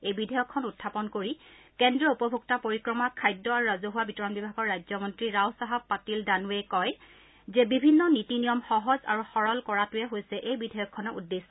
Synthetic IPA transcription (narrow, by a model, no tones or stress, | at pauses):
ejbidʱɛjɔkʰːɔnutʰːapɔnkoɹikɛndɹɔupɔbʱuk̚tapoɹikɹɔmakʰajdːɔaɹuɹazuɦʊwabitɔɹɔnbibʱaɡɔɹːajzɔmɔntɹiɹawsaɦab̚pːatildanuwejkɔj | zɛbibʱinːɔnitinijɔmxɔɦɔza̰ɹuxɔɹɔlkɔɹatʊjɛɦojsɛʔejbidʱɛjɔkʰːɔnɔudːesɔ